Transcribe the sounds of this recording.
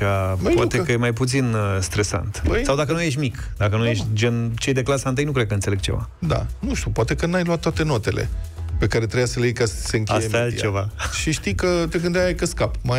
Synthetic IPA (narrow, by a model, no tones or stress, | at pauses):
apoat̪ekəjemajput̪sinst̪ɾe̞sa̰nt̪bəsawd̪akənujeʃt̪ʲmik | d̪akənujeʃt̪ʲd͡ʒent͡ʃe̞jd̪e̞klasant̪ɨjnukɾed̪̚kəɨnseleɡ̚t͡ʃe̞va̰ | d̪a̰nuʃt̪ʲupoat̪e̞kənajluat̪ːoat̪e̞no̞t̪e̞̰lḛpe̞kaɾe̞t̪ɾejasəlejkasə̥seɨŋkʲast̪ajealt͡ʃevaʃiʃt̪ijkət̪e̞ɡɨnd̪eaajkəskapma